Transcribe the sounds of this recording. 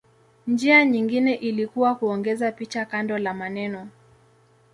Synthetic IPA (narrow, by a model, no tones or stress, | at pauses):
nd͡ʒiaɲiŋɡinɛʔilikuwakuɔŋɡɛzapit͡ʃakandɔlamanɛnɔ